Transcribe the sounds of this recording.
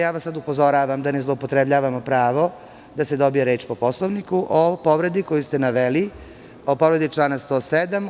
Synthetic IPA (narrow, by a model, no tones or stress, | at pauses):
jaːʋasːad̪upo̞zo̞ɾaːʋamd̪anezlˠoupo̞t̪ɾebʎaːʋamopɾaːʋo̞ | d̪ase̞d̪o̞bijeɾe̞ːt͡ʃpo̞poslˠoʋnikuʔopo̞ʋɾe̞d̪ikojust̪e̞naʋeli | opo̞ʋɾe̞d̪it͡ʂlˠaːnast̪oːsed̪am